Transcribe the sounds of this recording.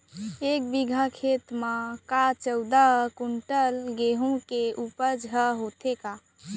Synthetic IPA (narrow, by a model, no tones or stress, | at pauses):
ek̚biɡʱakʰet̪mãkat͡ʃəwd̪aɦkuɳʈəlɡeɦũkeʔupəd͡ʒɦəɦot̪ʰeka